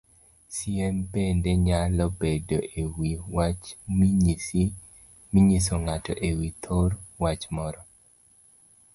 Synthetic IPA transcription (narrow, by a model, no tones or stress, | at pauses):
siɛmpendeɲalɔbedoʔewiwat͡ʃmiɲisi | miɲisoŋatɔʔewit̪ʰorwat͡ʃmɔɾɔ